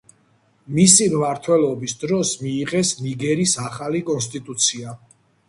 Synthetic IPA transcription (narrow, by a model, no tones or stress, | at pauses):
misimmaɾt̪ʰwɛlˠɔbisd̪ɾɔsmiːʁɛsniɡɛɾisaχalikʼɔnst̪ʼit̪ʼut̪sʰia